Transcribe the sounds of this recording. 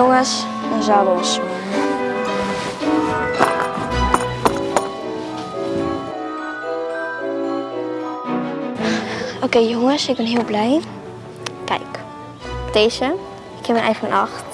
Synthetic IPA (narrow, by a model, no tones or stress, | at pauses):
oŋəs | əzabəs | ʔokeːjoŋəsɪk̚bɪnɦiəlˠblɛj | kɛ̰jk | teːʃə | ɪkhɛpənʔɛ̰jfɔnʔɑxt